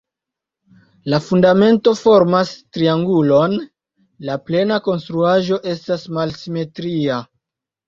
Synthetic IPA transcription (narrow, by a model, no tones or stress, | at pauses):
lafundame̞nto̞fo̞ɾmastɾiaŋɡulo̞n | laple̞nako̞nstɾuaʒo̞ʔe̞stasmalsime̞tɾia